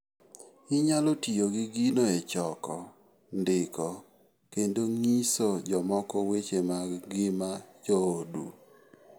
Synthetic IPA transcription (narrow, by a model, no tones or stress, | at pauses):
ɪɲalotijoɡɪɡinoet͡ʃɔkɔ | ndɪkɔ | kendoŋisod͡ʒɔmɔkɔwet͡ʃemaɡɪmad͡ʒɔodṵ